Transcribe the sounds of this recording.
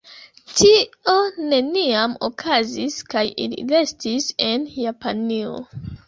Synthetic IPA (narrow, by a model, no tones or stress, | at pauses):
tʰione̞niamo̰kʰaziskajḭlḭlestisenjapanio̰